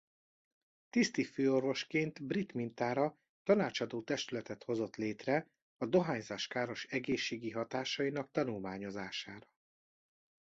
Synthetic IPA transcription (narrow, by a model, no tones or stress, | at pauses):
t̪ist̪iføːo̞rvo̞ʃkeːnt̪brit̪mint̪aːɾɒ | t̪ɒnaːt͡ʃɒd̪oːt̪ɛʃt̪ylɛt̪ɛt̪ho̞zo̞t̪leːt̪rɛ | ɒd̪o̞ɦaːɲzaːʃkaːɾo̞ʃɛɡeːʃːeːɡiɦɒt̪aːʃɒjinɒk̚t̪ɒnulmaːɲo̞zaːʃaːɾɒ̥